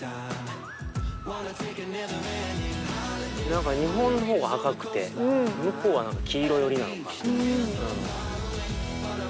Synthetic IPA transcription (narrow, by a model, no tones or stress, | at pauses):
nãŋkaɲ̟iɦõ̞nːoɦo̞ːɡaakakɯ̟̥t̪e̞̰mɯko̞ːβanãŋkakʲʰiːɾo̞jo̞ɾʲina̰nk̪a | ɯ̃